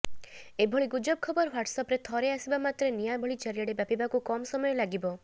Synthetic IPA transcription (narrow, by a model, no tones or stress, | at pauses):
ebʱɔɭiɡud͡ʒɔb̚kʰɔbɔɾwaʈsɔpɾet̪ʰɔɾeasibamat̪ɾenijabʱɔɭid͡ʒaɾijaɽebapibakukɔmɔsɔmɔjɔlaɡibɔ